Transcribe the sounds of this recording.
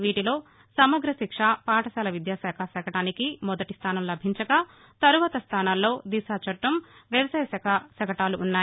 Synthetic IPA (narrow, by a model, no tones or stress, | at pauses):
ʋiːʈilo̞ː | sɐmɐɡɾɐʃikʂapaːʈɐsɐːlɐʋid̪jaːsɛːkʰasɐkɐʈaːnikimɔd̪ɐʈist̪ʰaːnɐmlɐbʱiɲt͡ʃɐkɐ | t̪ɐɾuʋaːt̪ɐst̪ʰaːnaːlːo̞ːd̪isaːt͡ʃɐʈːɐmʋjɐʋɐsaːjɐsɐkʰɐsɐɡɐʈaːluʔːnːaː